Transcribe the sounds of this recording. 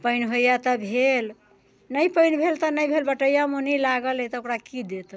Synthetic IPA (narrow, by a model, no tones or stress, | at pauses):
pəɪnɦojat̪əbʱel | nəjpəɪnbʱelt̪ənəjbʱelbəʈəjamonilaɡəlɛt̪ɔokɾakid̪et̪